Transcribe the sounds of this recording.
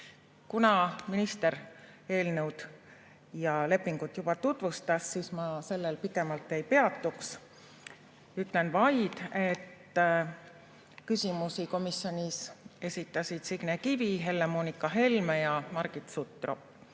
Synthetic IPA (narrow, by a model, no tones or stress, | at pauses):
kunɑminist̪e̞ɾe̞ːlnewd̪̥ | jɑle̞pːiŋɡ̥ut̪ˑjub̥ɑt̪ut̪vust̪ɑsːismɑse̞lːelpikˑe̞mɑlt̪ːˑejpe̞ɑt̪ːˑuks | yt̪ˑle̞nvɑjd̪̥e̞t̪ː | kysimusiko̞misjo̞nʲise̞sʲit̪ːˑɑsid̪̥siɡ̥nekiviɦe̞lːemoːnikːˑɑɦe̞lmejɑmɑɾɡ̥it̪sut̪ːˑro̰pː